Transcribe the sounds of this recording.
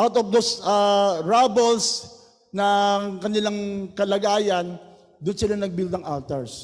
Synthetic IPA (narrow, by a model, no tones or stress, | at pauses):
ʔawt̪ɔvd̪osɐɹabɛls | nɐŋkɐnɪlaŋkɐlɐɡaːjɐn | d̪ʊnsɪlanɐɡ̚bild̪ɐŋʔalt̪ɛɹs